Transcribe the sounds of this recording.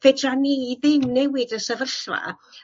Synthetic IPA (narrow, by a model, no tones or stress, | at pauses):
fɛdraniiðɪnːɛwɪdəsəvərɬva̰